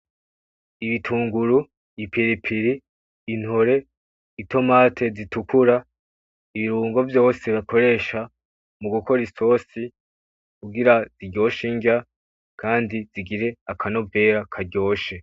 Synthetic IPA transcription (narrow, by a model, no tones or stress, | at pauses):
iβitʰuːŋɡuɾu | ipʰiɾipʰiɾiː | n̥hoɾe̞ | ito̞maːtʰe̞zitukuɾa | iβiɾuːŋɡo̞vjo̞ːseβakʰo̞ɾe̞ːʃa | muɡukʰo̞ɾiso̞ːsi | kuɡiɾaziɟo̞ːʃiɲɟa | kʰaːndiz̥iɡiɾe̞akʰano̞bve̞ːɾakʰaɾɟo̞ːʃe̞